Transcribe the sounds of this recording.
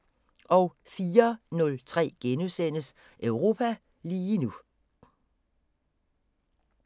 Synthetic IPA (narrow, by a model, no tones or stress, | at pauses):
ʔɒ̽ʊ | fiːɐnɔ̽lt͡sʰʁɛ̰ːɡ̥enusen̰əs | ʔœʊʁo̝ːpʰæ | liːnu